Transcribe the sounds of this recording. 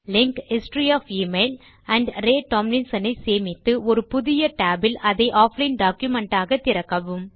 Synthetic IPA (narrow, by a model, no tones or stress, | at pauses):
lɪŋkhɪsʈɾijaːfiːmeɪl | ɐɳɖɾeːʈɔmnɪnsɐnɐɪseːmɪt̪ːɯʔɔɾɯpʊðɪjɐʈaːbɪlʔɐðɐɪʔaːflɐɪnɖaːkjʊmɛɳʈaːɣɐt̪ːɪɾɐkːɐʋɯm